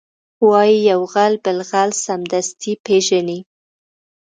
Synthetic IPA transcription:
wɑjijawɣalbɪlɣalsamd̪ast̪ʰipeʒani

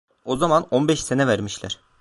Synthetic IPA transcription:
o̞zamano̞nbɛʃsenɛvæɾmiʃlʲæ̰ɾ̥

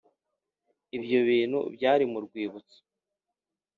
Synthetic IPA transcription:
ibjo̞βiːn̥hṵbjaːɾimuɾɡwiːβut͡si̥

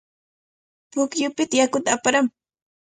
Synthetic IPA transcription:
pʊkjʊpɪt̪ajakʊt̪aːpaɾam

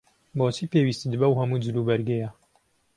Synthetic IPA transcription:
boːt͡ʃʰiːpeːwist̪ɨd̪bɐwɦɐmuːd͡ʒɨɾubɐɾɡejɛ

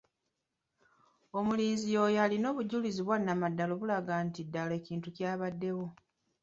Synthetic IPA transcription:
o̞muliːnzijo̞ːjalino̞ːβuɟuliziβwanːamadːalo̞βulaɡaːntidːale̞ːciːntucjaːβadːe̞wo̞

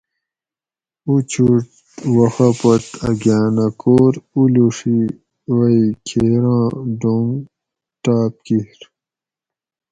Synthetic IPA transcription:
ut͡ɕʰuʈ | wɐxɐpɐʈɐɡjaːnɐkoːɾuluʂi | wɐikʰeːɾãːɖoŋ | ʈ̪aːp̚kihɾ

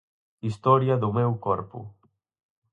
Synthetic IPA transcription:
ist̪ɔɾjaðumɛwkɔɾpṵ

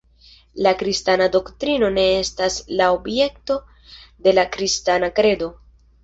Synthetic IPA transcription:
lakɾistanado̞ktɾino̞ne̞e̞staslaobje̞kto̞ | de̞lakɾistanakɾe̞do̞

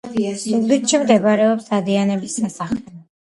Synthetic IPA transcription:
uɡit̪ʃimd̪ɛbaɾɛɔpsad̪ianɛbisasaχlɛb

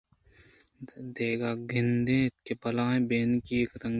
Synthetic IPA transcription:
d̪eːɡaːɡɪnd̪ẽːɪt̪̚kepɐlãːɦẽbeːnkiektɐ̃ŋ

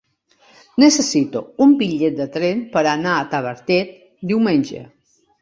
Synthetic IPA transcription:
nəsəsit̪ṵumbiʎet̪̚d̪ət̪ɾenpəɾanaːt̪aβəɾt̪ɛt̪̚ | d̪iwmenʲʒə̰

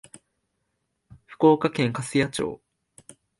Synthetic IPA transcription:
ɸɯ̟̥ko̞ːkakẽ̞ŋkasɨjat͡ɕo̰ː

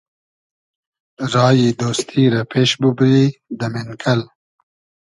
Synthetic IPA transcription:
ɾɑːjid̪oːst̪ʰiːɾapeːʃbubɾiːd̪əmɪnkʰɐl

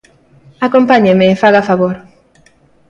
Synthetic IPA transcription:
akompaɲemefaɣafaβoɾ

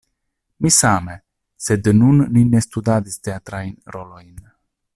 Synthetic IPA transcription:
misame | sed̪ənunːinest̪ud̪ad̪ist̪eat̪ɾainɾolojn

